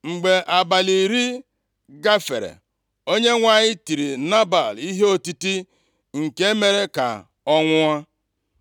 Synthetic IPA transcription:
ŋ͡m̩˨ɡ͡be˨ʔa˨ba˨li˨ɾi˦ | ɡa˦fḛ˨ɾḛ˨ | o˦ɲe˦ŋʷa˨ɲɪ˦ti˨ɾi˨na˦ba˨li˦ɦe˦o˦ti˦ti˦ | ŋ̩˨ke˦e˦me˨ɾe˦ka̰˨ | ɔ˦ŋʷʊ˦a˦

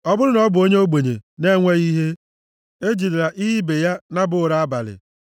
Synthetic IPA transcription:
ɔ˦bʊ˦ɾʊ˦nɔ˦bʊ˨o˦ɲe˦o˦ɡ͡be˨ɲḛ˨ne˦ŋʷe˦ɣi˦ɦe˦ | e˦d͡ʒi˨ɾi˨ɾa˨ʔi˦ɦi˦be˨ja˦na˦bʊ˦˨ɾa˦a˦ba̰˨lɪ̰˨

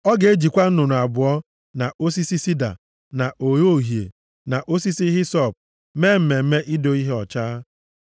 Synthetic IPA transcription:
ɔ˦ɡe˦d͡ʒi˨kʷa˦n̩˦nʊ˨nʊ˨a˨bʊ˨ɔ˦ | na˨o˦s̬i˦si˦si˦da̰˨ | na˨ʔo˨jo˦˨ɦjḛ˨ | na˨ʔo˦si˦si˦ɦɪ˦sɔ˦˨p̚ | me˦m̩˦me˨m̩˦me˦ʔi˦do˦i˦ɦe˦ɔ˨t͡ʃaː˦

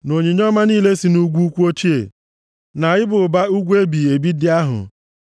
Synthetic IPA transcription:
no˨ɲe˨ɲ˦ɔ˦ma˦niː˦le˦si˨nu˦ɡʷu˦u˦kʷu˦o˦t͡ʃi˦ḛ˨ | na˨jɪ˦bʊ˨ba˦u˦ɡʷe˦bi˨e˨bi˦dɪ˦a˦ɦʊ̰˨

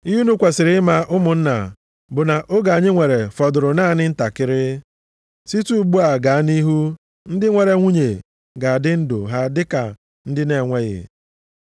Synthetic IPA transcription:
i˦ɦu˦nu˦kʷe˨sɪ˨ɾɪ˦ma˦ʔʊ˦mʊ˨n̩˦na̰˨ | bʊ˨na˨ʔo˦ɡa˨a˨ɲɪ˦ŋʷe˨ɾe˨fɔ˨dʊ˨ɾʊ˨naː˦˨nɪ˦n̩˦ta˨kɪ˦ɾɪ˦ | si˦tu˦ɡ͡bu˦a˨ɡa˨a˦ni˦ɦu˦ | n̩˦dɪ˦ŋʷe˨ɾe˨ŋʷu˦ɲe˨ | ɡa˨dɪ˦n̩˦dʊ̰˨ɦa˦dɪ˦ka˨ | n̩˦dɪ˦ne˨ŋʷe˦ɣɪ̰˨

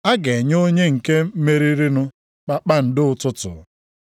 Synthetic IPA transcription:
a˦ɡe˨ɲ˦o˦ɲe˦ŋ̩˨ke˦me˦ɾi˦ɾi˦nʊ˦ | k͡pa˦k͡pa˦n̩˦dɪ˦ʊ˨tʊ˦tʊ̰˨˦

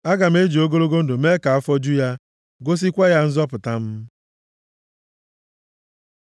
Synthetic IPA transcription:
a˦ɡa˨m̩˦e˦d͡ʒi˨o˦ɡo˦ɾo˦ɡo˦n̩˦do˨me˦ka˨a˦fɔ˦d͡ʒu˦ja˦ | ɡo˦s̬i˦kʷa˦ja˦n̩˦zɔ˦pʊ˨ta˦m̩˦

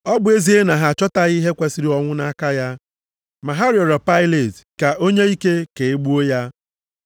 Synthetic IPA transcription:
ɔ˦bʊ˨e˦zi˨e˦na˨ɦa˨t͡ʃɔ˦ta˦ɣi˦ɦe˦kʷe˦si˦ɾi˦ɔ˦ŋʷʊ˦na˦ka˦ja˦ | ma˨ɦa˦ɾi˦ɔ˨ɾɔ˨pa˦ɪ˦le˨tka˨ʔo˦ɲe˦i˦ke˦ke˨e˦ɡ͡bu˦o˦ja˦

